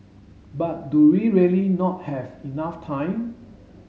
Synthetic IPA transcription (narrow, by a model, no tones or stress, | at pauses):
bat̚duwiɹiəlinɔt̚hɛvinaftʰãɪ̃m